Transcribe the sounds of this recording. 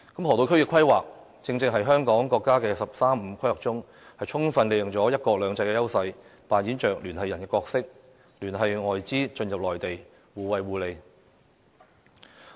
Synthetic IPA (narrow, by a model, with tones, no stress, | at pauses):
kɐ˨˥mhɔː˨˩t̪o˨˧wkʰɵ˥ɥkɪ˧kʰʷɐ˥jwa̰ː˨˩k̚ | t͡sɪ˧ŋt͡sɪ˧ŋɦɐ˨jɦœː˥ŋkɔː˨˥ŋkɔː˧kːaː˥kɛː˧sɐ˨p̚saː˥m̩ː˨˧kʰɐ˥jwɐ˨k̚t͡sʊ˥ŋ | hɐ˨jt͡sʰʊ˥ŋfɐ˧nle˨˧jʊ˨ŋt͡sɔː˨˥jɐ˥t̚kɔː˧lœː˨˧ŋt͡sɐ˧jkɛː˧jɐ˥wsɐ˧jpaː˨njiː˨˥nt͡ʃœː˨k̚lyː˨˩nhɐ˨jːɐ˨˩nkɛː˧˥kɔː˧k̚sɪ˥k̚ | lyː˨˩nɦɐ˨jŋɔː˨jt͡siː˥t͡ʃɵ˧njɐ˨p̚lɔː˨jt̪e˨j | wuː˨˩wɐ˨jwuː˨˩le˨˧j